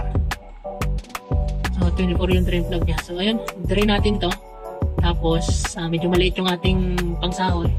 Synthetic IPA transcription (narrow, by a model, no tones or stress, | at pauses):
sot̪wɛnɪpoɾjʊŋd̪ɾɪnp̪loɡ̚ɲasoʔɐjond̪ɾɪnaːt̪ɪnt̪o̞ | t̪aːpo̞sʔamɛːd͡ʒomɐlɪʔɪt̪jʊŋʔaːt̪ɪŋpɐŋsaːʔoj